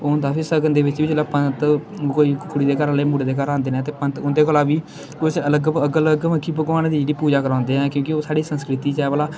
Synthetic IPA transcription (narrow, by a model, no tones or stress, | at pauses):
oːʊnd̪aːpʰɪɾsəkənd̪eːʋɪt͡ʃʋiːd͡ʒlaːpənt̪koːiːkʰʊɽiːd̪eːkəɾaːleːmuɽeːd̪eːkəɾãːnd̪eːnɛːt̪eːpənt̪ʊnd̪eːkolaːʋiː | kʊt͡ʃələɡəɡələɡʋəkʰːiːbəɡʋaːnːd̪iːd͡ʒeːɽiːpuːd͡ʒaːkəɾãːnd̪eːɦɛ̃ːkjõːkɪoːsaːɽiːsə̃nskɾɪt̪iːt͡ʃɛːʋəlaː